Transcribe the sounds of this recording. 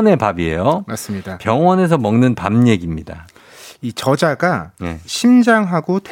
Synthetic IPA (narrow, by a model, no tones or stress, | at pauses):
ne̞pabie̞̰jomas͈ɯmɲidapjʌŋwʌne̞s̬ʰʌmʌŋnɯnpamɲe̞ɡimɲida̰ | it͡ɕʌd͡ʑaɡanḛɕʰimd͡ʑaŋɦaɡot